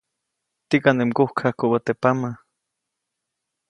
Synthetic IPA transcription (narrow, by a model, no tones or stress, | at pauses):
t̪ikanemkohkʰahkowat̪epama